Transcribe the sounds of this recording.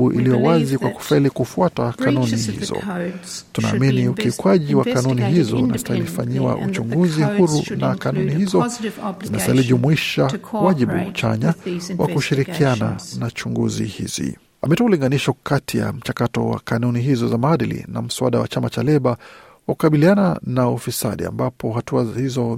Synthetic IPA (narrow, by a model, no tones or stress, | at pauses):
uʔḭlijɔwazikwaku̥failikufuatakanunihḭzɔ̰tuna̰ːminiukikwaʄiwakanuniɦizɔunastahilifaɲiwa̰ʔut͡ʃuŋɡuzihuɾunakanunihizɔzinastahiliʄumuiʃawaʄiɓṵt͡ʃa̰ɲawa̰kuʃiɾikʰiananat͡ʃuŋɡṵzḭhḭz̥ḭ | amɛtuauliŋɡaniʃɔkatʰija̰m̩t͡ʃakatɔwa̰kanuniɦizɔzamaaɗilḭna̰m̩suaɗawa̰t͡ʃamat͡ʃalɛɓa | wakukaɓiliananaufisa̰ɗḭa̰mbapʰɔɦatuahizɔ